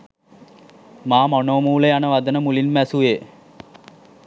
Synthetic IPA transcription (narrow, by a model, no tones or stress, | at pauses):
maːmonoːmuːləjanəʋad̪ənəmulinmæsuʋeː